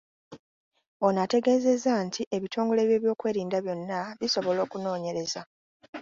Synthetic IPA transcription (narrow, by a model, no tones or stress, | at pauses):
o̞nate̞ɡe̞ːze̞zːantʰiʔe̞βitʰo̞ːŋɡo̞le̞ːβje̞ːβjo̞ːkwe̞ːɾiːndaβjo̞nːaβiso̞βo̞lo̞ːkuno̞ːɲe̞ɾe̞za